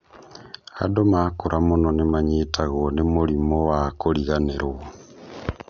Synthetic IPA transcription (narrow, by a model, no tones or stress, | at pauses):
a̰domakuɾʔamunonemaɲitaɣonemulimowakoliɣaneɾwo